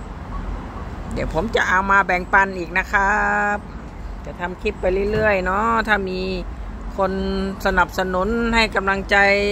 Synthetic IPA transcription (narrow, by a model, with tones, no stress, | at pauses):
dɛ˨˩wpʰo˩˨˦mt͡ɕa˧ʔa˧˩wmaː˧bɛː˨˩ŋpa˧˩˨nʔiː˨˩k̚na˧˥kʰa˦˥p̚ | t͡ɕa˨˧˩t̪ʰa˧mkʰi˧˩pːa˧jlɯ˧˩˨jlɯ˧˩əjnɔ˧˥t̪ʰaː˧˩miː˧˥ | kʰo˧˥nsa˧na˨˩p̚sa˧nu˨˦˥nha˧˩jka˧mla˧ŋt͡ɕa˧j